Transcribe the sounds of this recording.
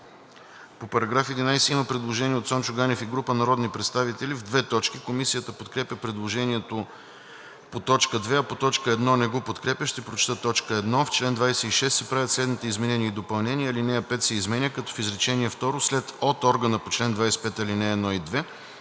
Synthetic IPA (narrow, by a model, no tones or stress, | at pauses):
popɐɾɐɡɾafɛd̪inajsɛiməpɾɛd̪lˠoʒɛniɛot̪sɔnt͡ʃʊɡanɛfiɡɾupənɐɾɔd̪nipɾɛt̪st̪avit̪ɛlivd̪vɛt̪ɔt͡ʃkikomisijət̪əpot̪kɾɛpʲəpɾɛd̪lˠoʒɛniɛt̪o | pot̪ɔt͡ʃkəd̪vɛɐpot̪ɔt͡ʃkəɛd̪nɔnɛɡopot̪kɾɛpʲjəʃt̪ɛpɾot͡ʃt̪ət̪ɔt͡ʃkəɛd̪nɔft͡ʃlɛnd̪vajsɛiʃɛst̪sɛpɾavʲjət̪slɛd̪nit̪ɛizmɛnɛniəid̪opɐlˠnɛniəlinɛɐpɛt̪sɛizmɛnʲəkɐt̪ɔ̥fizɾɛt͡ʃɛniɛft̪ɔɾoslɛt̪ot̪ɔɾɡənəpot͡ʃlɛnd̪vajsɛ̥pɛt̪ɐlinɛɛːd̪nɔid̪vɛ